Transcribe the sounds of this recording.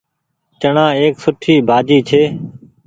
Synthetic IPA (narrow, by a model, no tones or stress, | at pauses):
t͡ʃəɳãːeːksʊʈʰiːbʱaːd͡ʒiːt͡ʃʰeː